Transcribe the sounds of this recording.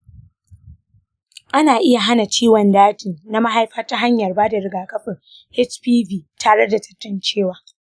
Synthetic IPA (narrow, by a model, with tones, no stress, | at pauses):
ʔa˦naː˨ʔɪ˦ja˨ɦa˦na˨t͡ʃiː˦wɐ˨ndaː˦tɪ˨na˦ma˦ɦa˦jɸɐ˦ta˦ɦa˦ɲjɐ˨rbaː˦da˨ɾɪ˨ɡaː˨kɐ˦ɸɪ˨ŋ | hɪ˦t͡ʃpiː˦biː˨tʰaː˨ɽe˦da˨tɐ̥˦tːɐ˨nt͡ʃeː˦˨waː˦